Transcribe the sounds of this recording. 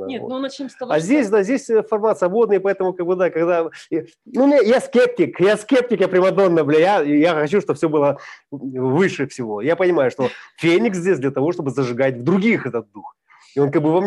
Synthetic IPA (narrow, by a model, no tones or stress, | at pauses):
nʲḛnonɐt͡ɕemst̪ɐazʲdʲesʲd̪azʲdʲesʲfɐrmat̪svɐbo̞d̪nɨpɐɛt̪əmʊkaɡ̚bɨd̪akɐɡd̪a | numʲnʲajaskʲep̚tʲɪkjaskʲep̚tʲɪkjapɾʲɪmɐd̪o̞nːəblʲejajaxɐt͡ɕuʂt̪o̞fsʲo̞bɨlˠə | vɨʂɨfsʲɪvo̞japənʲɪmajʊʂt̪o̞fʲenʲɪkszʲdʲesʲd̪lʲɐt̪ɐvo̞ʂt̪o̞bɨzəʐɨɡat̚ʲvd̪ɾʊɡʲixɛt̪ət̪̚d̪ux | ɪo̞nkaɡ̚bɨvɐm